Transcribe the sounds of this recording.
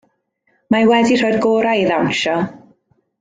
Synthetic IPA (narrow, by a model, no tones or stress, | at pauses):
majwɛdir̥oːjdɡoːɾaiðawnʃɔ